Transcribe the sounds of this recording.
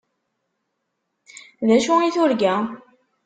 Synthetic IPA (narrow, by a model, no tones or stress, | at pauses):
ðæʃʊiθʊɾɡæ